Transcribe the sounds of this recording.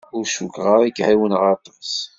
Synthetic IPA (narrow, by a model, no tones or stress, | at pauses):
ʊɾʃukʁəɾˤiɡʕiwənʁəɾt̪ˤːəs